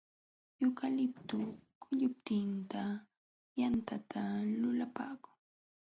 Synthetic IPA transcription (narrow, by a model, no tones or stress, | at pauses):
jʊkalɪp̚t̪ʊkʰʊʎʊp̚t̪ɪnt̪a | jant̪ʰat̪ʰalʊlapaːkʊ̥ŋ